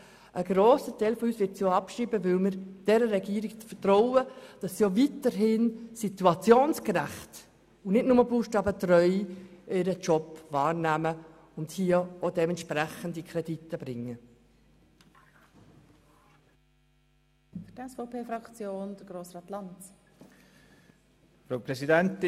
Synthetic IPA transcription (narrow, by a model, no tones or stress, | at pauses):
ʔəɡ̥ɾoːsətʰɛɪlfɔyːsʋɪɾtsjoɑpʃɾiːbəʋɪlmɪɾd̥ɛɾəɾɛɡiːɾiɡfətɾɔʊəd̥ɑsːiovitəɾɦɪnsituɑt͡sjoːnskɾæχt | ʊnɪdnʊməbuːʃtɑːbətɾœʏʔɪɾət͡ʃɔpvɑːɾnæmə | ʊnthiːəodɛmɛntʃpɾæχəndikʰɾɛd̥it̪ːəb̥ɾɪŋːə | fydɛsfoʊpʰeːfɾɑkt͡sjoːndəɡ̥ɾoːsɾɑːt̪lɑnt | fɾaʊpɾɛsidɛnt